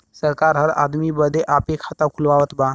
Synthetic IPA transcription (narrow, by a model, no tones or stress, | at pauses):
səɾkaɾɦəɾa̰d̪miːbəd̪ʱeʔapekʰat̪akʰulʋaʋət̪ba